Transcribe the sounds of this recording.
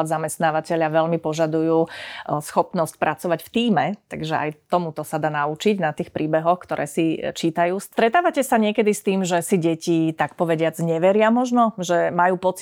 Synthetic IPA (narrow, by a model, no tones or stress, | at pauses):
ad̪zamɛst̪naːʋacɛʎaʋɛʎmipɔʒad̪ujuːsxɔpnɔsc̚pɾʔat͡sɔʋacft̪iːmɛt̪a̰ɡʒɛʔa̰jt̪ɔmut̪ɔsad̪aːnaut͡ʃiɟnat̪iːxpɾiːbɛɦɔxkt̪ɔɾʔɛ̰ːsit͡ʃiːt̪ajuːst̪ɾɛt̪aːʋacɛsaɲɪɛkɛd̪ist̪iːmʒɛsiɟɛcit̪akpɔʋɛɟɪad͡zɲɛʋɛɾɪamɔʒnɔʒɛmajuːpɔt͡s